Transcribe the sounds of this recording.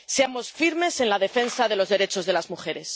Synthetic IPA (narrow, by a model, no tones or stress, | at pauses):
seamo̞sfiɾme̞se̞nlað̞e̞fe̞nsaðe̞lo̞zðe̞ɾe̞t͡ʃo̞zðe̞lazmuxe̞ɾe̞s